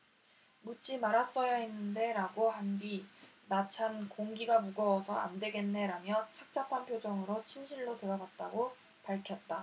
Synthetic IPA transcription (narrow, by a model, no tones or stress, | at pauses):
mut͡ɕ͈imaɾas͈ʌjainːɯnde̞ɾaɡoɦanɡimat͡ɕʰankoŋɡiɡamuɡʌwːsʰʌa̰nde̞ɡe̞nːe̞ɾamjʌt͡ɕʰak̚t͡ɕ͈apʰanpʰjod͡ʑʌŋɯɾot͡ɕʰinɕʰiɭːoteɾaɡat̚t͈aɡo | paɭkʰjʌt̚t͈a